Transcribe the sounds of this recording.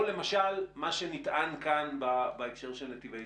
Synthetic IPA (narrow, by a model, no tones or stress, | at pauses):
le̞maʃalmaʃenitʔankanbabaekʃeʁʃelnat̪ivej